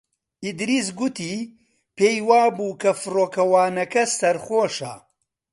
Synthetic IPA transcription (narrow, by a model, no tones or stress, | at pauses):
id̪ɾis̬ɡut̪i | peːjwaːbuːkʰɐfɨɾoːkɐwaːnɐkɐsɐɾχoːʃɐ̰